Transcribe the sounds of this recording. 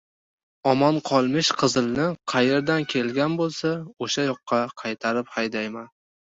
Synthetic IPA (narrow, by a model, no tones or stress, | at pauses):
ɒmɒnqʰɒlˠmɪʃqʰɨzɨlˠnɪqʰɑje̞ɾd̪ankʲʰe̞lɡʲanbolˠsaoʃajɒqːɑqʰɑjt̪ʰaɾɪphajd̪ajman